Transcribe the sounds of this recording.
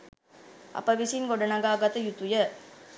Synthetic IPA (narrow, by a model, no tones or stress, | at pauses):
a̰pəʋisinɡoɖənaɡaːɡat̪əjut̪ujə